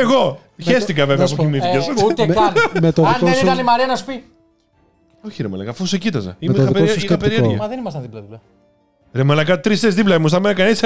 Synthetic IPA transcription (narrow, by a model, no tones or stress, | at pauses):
eɣo̞ | çest̪ikɐveveɐɐp̬okimiθicesut̪emet̪oinkosɐnimɐɾiɐnɐspi | oçiɾemɐlɐ̰kɐfusecit̪ɐzɐ̰immiɐðipeossɐpeɾieɾʝiɐɐðenimɐst̪ɐnðiplɐðiplɐ | ɾemɐlɐkɐt̪ɾist̪ezðiplɐimust̪ɐmenɐkɐnis